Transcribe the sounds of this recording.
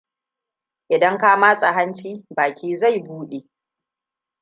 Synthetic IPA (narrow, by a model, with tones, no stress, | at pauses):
ʔɪ˨dɐ˦ŋkaː˦maː˦sʼɐ˨ɦɐ˦nt͡ʃiː˦baː˨kʲiː˦za˦˨jbuː˦ɗe˨